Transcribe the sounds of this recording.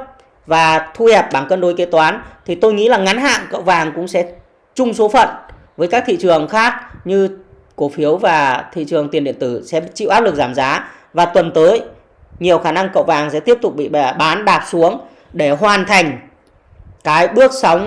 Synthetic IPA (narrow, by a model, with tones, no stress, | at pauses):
vaː˨˩t̪ʰu˧hɛ˨˩p̚ɓaː˧˩nkəː˧nɗo˨˦jke˨˦t̪waː˨˦nt̪ʰi˨˩t̪o˧jŋḭ˧˥laː˨˩ŋa˨˦nɦa̰ː˧˨ŋkə̰˧˨wvaː˨˩ŋkʊ̰˧˥ŋ͡msɛ̰˧˥ | t͡ɕʊ˧ŋ͡mso˨˦fə̰˧˨nvəː˨˦jkaː˦˥k̚t̪ʰḭ˧˨t͡ɕɨ˨˩əŋxaː˦˥k̚ɲɨ˧ | ko˧˦fi˨˦əwvaː˨˩t̪ʰḭ˧˨t͡ɕɨ˨˩əŋt̪i˨˩ənɗḭ˧˨ənt̪ɨ˧˩sɛ̰˧˥t͡ɕḭ˧˨wʔaː˦˥p̚lɨ˨˩k̚zaː˧˩mzaː˨˦ | vaː˨˩t̪wə˨˩nt̪əː˨˦j | ɲi˨˩əwxaː˧˩na˧ŋkə̰˧˨wvaː˨˩ŋsɛ̰˧˥t̪i˦˥əp̚t̪ʊ˨˩k͡p̚ɓḭ˧˨˧ɓaː˨˦nɗaː˨˩p̚su˨˦əŋ | ɗe˧˩ɦwaː˨˩nt̪ʰa˨˩jŋ̟ | kaː˨˦jɓɨ˦˥ək̚sa˨˦wŋ͡m